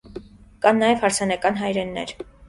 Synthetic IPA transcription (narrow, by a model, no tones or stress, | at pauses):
kɑnːɑjɛvhɑɾt͡sʰɑnɑkɑnɦɑjɾɛnːɛ̰ɾ